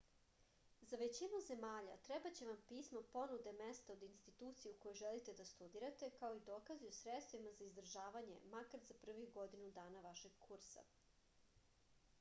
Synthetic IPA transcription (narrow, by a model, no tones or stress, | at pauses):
zaʋet͡ɕinuze̞maːʎa̰t̪ɾebat͡ɕeʋampiːsmopo̞nud̪e̞mest̪aod̪inst̪it̪uːt̪sijeukojoʒelit̪e̞d̪ast̪ud̪iɾat̪e̞kao̞id̪oːkaziosɾet̪st̪ʋimazaizd̪ɾʒaːʋaɲe̞̰makaɾzapr̩ʋiɡo̞d̪inud̪aːnaʋaʃeɡkʰuɾsa̰